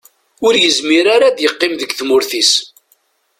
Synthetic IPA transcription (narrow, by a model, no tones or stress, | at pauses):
ʊɾjəzmiɾaɾad̪jəqːɪmðəɡθmʊɾθis